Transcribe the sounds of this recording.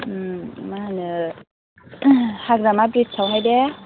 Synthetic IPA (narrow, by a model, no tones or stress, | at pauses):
manɯ | haɡɾamabɾitsʰawɦajdɛ